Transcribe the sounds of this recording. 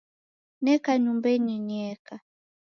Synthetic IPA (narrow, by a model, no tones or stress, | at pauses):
nɛkaɲumbɛɲiɲɛka